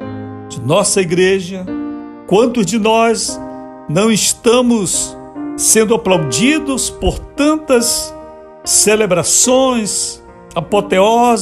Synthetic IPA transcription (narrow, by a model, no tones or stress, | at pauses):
d͡ʒɪnɔsɐiɡɾeʒɐ | kwɐ̃nt̪ʊzd͡ʒɪnɔz | nɐ̃w̃ɪʃt̪ɐ̃mʊsː | ẽnd̪ʊaplawd͡ʒid̪ʊspoɾt̪ɐ̃nt̪ɐsː | elebɾasõj̃s | apot̪eɔz